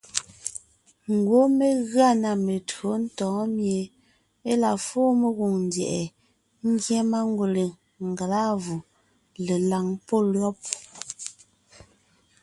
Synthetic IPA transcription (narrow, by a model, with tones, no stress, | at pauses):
ŋ̩˨ɡwo˦me˨ɣɰa˦˨na˨me˨tɰo˨˦n̩˦tɔ̃ː˨˦mje˨ | e˦la˨foː˦me˨ɣu˨ŋn˨djɛ̰˨ʔɛ˨ | ŋ̩˦ɡjɛ˦ma˦ŋ˦ɡwu˨le˨ | ŋ̩˨ɡa˨la˦vu˨ | le˨la˨ŋpɔ˦lɰɔ˦p̚